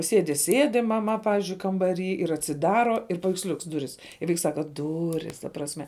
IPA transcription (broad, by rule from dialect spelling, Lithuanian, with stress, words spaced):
ˈsʲeːdʲɪ ˈsʲeːdʲɪ mɐˈmɐ ˈpɑːʋʲɪzʲd͡ʒʲʊɪ kɐmbɐˈrʲiː ɪr ɐtʲsʲɪˈdɑːroː ɪr pɐʋʲɛɪksʲˈlʲʊks ˈdʊrʲɪs ɪ ˈʋɐɪks ˈsɑːkɐ ˈdʊrʲɪs tɐ prɐsʲˈmʲɛ